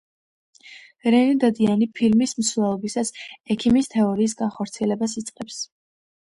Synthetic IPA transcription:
ɾɛnid̪ad̪ianipʰilmismsvɛlˠɔbisasɛkʰimist̪ʰɛɔɾiːs̬ɡanχɔɾt̪sʰiɛlɛbasit̪sʼqʼɛps

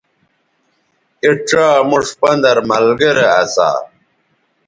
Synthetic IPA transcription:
iʈ͡ʂaːmuʂpɐnd̪ɐɾmɐlɡeɾeɐ̰sa̰

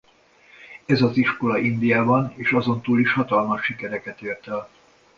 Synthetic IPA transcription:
ɛzɒziʃko̞lɒʔind̪ijaːbɒneːʃɒzo̞nt̪uːliʃhɒt̪ɒlmɒʃːikɛɾɛkɛt̪eːrt̪ɛl

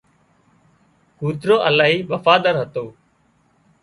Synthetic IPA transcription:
kuːt̪ɾoːʔəlaːɦiːɓəfaːd̪əɾɦət̪oː

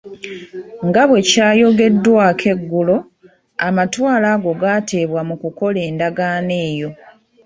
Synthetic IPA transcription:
ŋɡaβwe̞caːjo̞ɡe̞dːwakʰe̞ɡːulo̞ | amatwaːlaːɡo̞ɡaːte̞ːβwamukuko̞le̞ːndaɡaːne̞ːjo̞

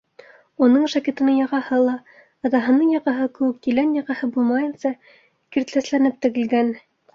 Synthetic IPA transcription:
unɤɴʃækit̪ɤ̆nɤɴjɑʁɑhɤlˠɑ | ɑt̪ɑɦɤ̆nɤɴjɑʁɑɦɤkɘ̆wɘk̚t̪ilænjɑʁɑhɤbulˠmɑjɤ̆nsɑ | kiɾt̪læslænɘp̚t̪ɘ̆ɡɘ̆lɡæn

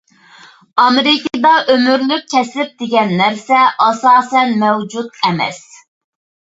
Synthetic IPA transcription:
ɑmeɾɪkʲɨd̪ɑʔømyɾlyk̚ʲkʲʰɛslɪp̚d̪̥ɪɡʲɛnːæɾsɛʔɑsɑːsɛnmɛwd͡ʒut̪ɛmɛ̰s

